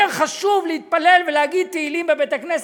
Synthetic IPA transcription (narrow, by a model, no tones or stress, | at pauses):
eʁχaʃuvlehit̪̚palelvelehaɡid̪̚t̪eilimbebet̪aknes